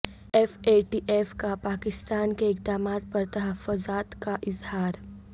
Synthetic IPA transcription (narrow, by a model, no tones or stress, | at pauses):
ɛːfeːʈiːʔeːfkapaːkɪst̪aːnkeɪkd̪aːmaːt̪̚pɐɾt̪ɐɦəfːʊzaːt̪kaʔɪzhaːɾ